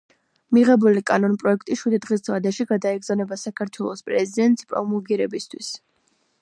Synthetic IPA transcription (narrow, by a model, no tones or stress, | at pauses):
miʁɛbulikʼanɔnpʼɾɔɛkʰt̪ʼiʃwid̪d̪ʁisd̪zvad̪aʃiɡad̪aɛɡzanɛbasakʰaɾt̪ʰwɛlˠɔspʼɾɛzid̪ɛnt̪ʼspʼɾɔ̰mɔɡiɾɛbist̪ʰwḭs